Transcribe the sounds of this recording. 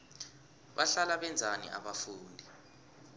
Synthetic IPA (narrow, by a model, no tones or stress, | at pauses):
ɓaɬalaɓɛnd͡zʱanḭʔa̰ɓafuːndʱi